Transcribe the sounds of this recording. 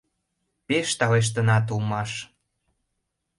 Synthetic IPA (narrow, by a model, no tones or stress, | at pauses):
peʃt̪ɑleʃ̬t̪ənɑt̪̬ulmɑʃ